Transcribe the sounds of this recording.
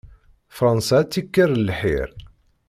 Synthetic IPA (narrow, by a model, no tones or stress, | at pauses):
fɾˤɑnsæt͡sːikːərˤlħḭɾ